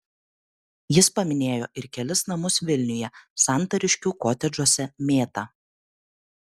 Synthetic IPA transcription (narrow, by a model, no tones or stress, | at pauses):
jɪspɐmʲɪnʲeːjo̰ːʔɪɾkʲɛlʲɪsnɐmʊsʋʲɪlʲnʲʊjɛsɑˑnt̪ɐɾʲɪʃʲkʲuːkoːt̪ʲɛd͡ʒuɔsʲɛmʲeːt̪ɐ